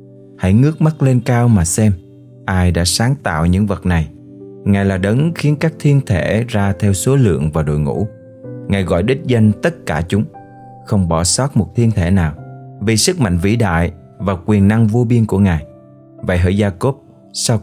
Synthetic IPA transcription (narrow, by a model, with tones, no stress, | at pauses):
ha̰˧˥jŋɨ˦˥ək̚ma˦˥t̚le˧nkaː˧wmaː˨˩sɛ˧m | ʔaː˧jɗa̰ː˧˥saː˨˦ŋt̪a̰ː˧˨wɲɨ̰˧˥ŋvə˨˩t̚na˨˩j | ŋaː˨˩jlaː˨˩ɗə˨˦ŋxi˨˦ənkaː˦˥k̚t̪ʰi˧ənt̪ʰe˧˩zaː˧t̪ʰɛ˧wso˨˦lɨ̰˧˨əŋvaː˨˩ɗo̰˧˨jŋṵ˧˥ | ŋaː˨˩jɣɔ̰˧˨jɗï˦˥t̚zə˧ŋt̪ə˦˥t̚kaː˧˩t͡ɕʊ˨˦ŋ͡m | xə˧wŋ͡mɓɔ̰˧˩sɔ˦˥t̚mo˨˩t̚t̪ʰi˧ənt̪ʰe˧˩naː˨˩wvi˨˩sɨ˦˥k̚ma̰˧˨ŋ̟vḭ˧˥ɗa̰ː˧˨j | vaː˨˩kwi˨˩ənːa˧ŋvu˧ɓi˧ənku˧˩əŋaː˨˩j | və̰˧˨jɦə̰ː˧˩jzaː˧ko˦˥p̚ | sa˧w